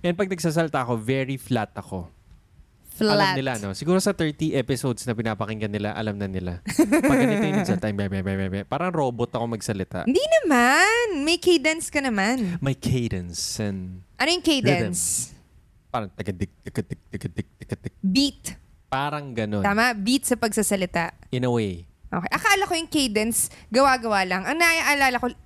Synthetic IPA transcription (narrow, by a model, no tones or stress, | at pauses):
ʔɛn̚pɐɡ̚nɐɡ̚saːs̬ɐlɪt̪aʔɐko̞vɛɹiflat̪ɐko̞ | flɐamɪlaɐno̞sɪɡuːɾo̞sɐt̪ɛ˞t̪iʔɛpɪsowd̪snɐpɪnaːpɐkɪŋɡɐnːɪla̰ʔɐ̰lɐmnɐnɪlapɐɡ̪ɐɐt̪eɐsɐlt̪aʔjmɛmɛmɛmɛmɛpaːɾɐŋɾo̞ːbot̪ɐko̞mɐɡsɐlɪt̪a̰ʔɪnd̪inɐmanmɐjkejd̪ɐnskɐnɐmanmɐjkʰejd̪ɛnsɛnʔɐnojʊŋkejd̪ɛns | paːɾɐŋt̪ɐɡɐd̪ɪɡ̚t̪ɐɡɐd̪ɡ̚t̪ɐɡɐd̪ɛɡ̚t̪ɐɡ̥ɐd̪ɡ̚bit̪ | paːɾɐŋɡɐnoaːmɐbit̪̚sɐpɐɡ̚sasɐlɪt̪aʔɪnɐwejʔo̰ːkejʔɐkɐʔɐlɐko̞jʊŋkejd̪ɛnsɡɐwaɡɐwalɐŋɐŋnɐʔaʔɐlaːlɐko̞